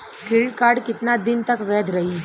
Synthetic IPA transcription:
kʰiɭkaɾɖkɪt̪nad̪ɪnt̪əkʋɛd̪ʱɾəɦi

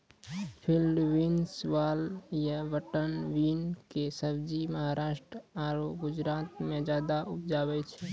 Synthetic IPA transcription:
pʰɪlːʋinsʋaːljəʋəʈənʋiːnkesəbd͡ʒiməɦaɾaːʃʈɾəaːɾoɡʊd͡ʒɾaːt̪mẽd͡ʒaːd̪aʔʊpd͡ʒaːbɛt͡ʃʰɛ

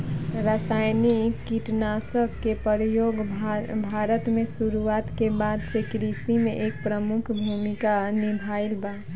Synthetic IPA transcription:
ɾəsajnikkːiʈnasəkkːepəɾjoɡbʱaɾət̪mesuɾuat̪kebad̪sekɾist̪imeʔek̚pɾəmukʰbʱumikanibʱailba

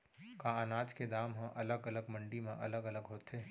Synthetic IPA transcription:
kãːanaːd͡ʒked̪aːmɦãʔɐləɡɐləɡmɐ̃ɳɖimẽʔɐ̰ləɡɐləɡɦoːt̪ɦeː

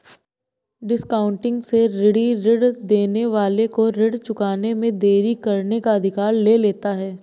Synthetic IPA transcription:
ɖɪskaːʊ̃ɳʈɪ̃ŋɡseɾɪɽiɾɪɽd̪eːneʋaːlekoɾɪɽt͡ʃʊkaːnemẽd̪eːɾikɐɾnekaɐd̪ʱɪkaːɾleːleːt̪aɦɛː

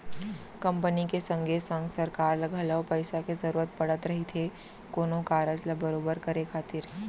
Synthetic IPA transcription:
kɐ̃mpənikesɐ̃ŋɡʱesə̃ŋɡsɐɾkaːɾlɐɡʱəlɐʋpɐɪsakezɐɾuːɾət̪̚pɐɽət̪ɾɐɦit̪ʰe | koːnõkaːɾəd͡ʒlɐbɐɾoːbəɾkɐɾekʰaːt̪ɪɾ

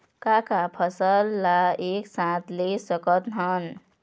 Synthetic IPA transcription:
kakapʰʌsəlːaeksãt̪lesəkət̪ɦən

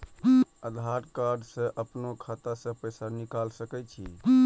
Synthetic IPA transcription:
əd̪ʱaɾkaɾɖsə̃ʔəpnokʰat̪asə̃pəjsanikalsəkɛt͡ʃʰḭ

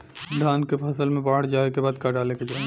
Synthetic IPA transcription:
ɖʱaːnkepʰəsəlmẽbaːɽd͡ʒaːekebaːd̪kaɖaːleked͡ʒaː

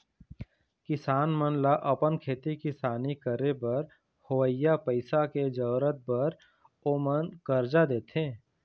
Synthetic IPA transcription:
kɪsaːnmənlaʔɐpənkʰeːt̪ikɪsaːnikəɾebɐɾ | hʊwəjapəɪsaked͡ʒəːɾət̪̚bəɾ | oːmənkəɾd͡ʒad̪eːt̪ẽː

